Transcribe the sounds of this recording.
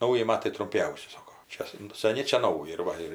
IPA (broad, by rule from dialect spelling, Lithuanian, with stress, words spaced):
ˈnɐʊjɪ ˈmɑːtɐɪ trʊmʲˈpʲɛʊsʲɪ ˈsɑːkoː ˈt͡ʃʲɛ sɐn sɐˈnʲɪ ˈt͡ʃʲɛ ˈnɐʊjɪ ɪr ˈʋɐ ɪr